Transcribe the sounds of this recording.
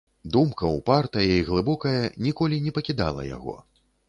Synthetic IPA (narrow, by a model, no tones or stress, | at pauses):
d̪umkɐwpart̪ɐjɐiɣlˠɨbɔkɐjɐnʲikɔlʲinʲɛpɐkʲid̪a̰lˠɐ̰ja̰ɣɔ̰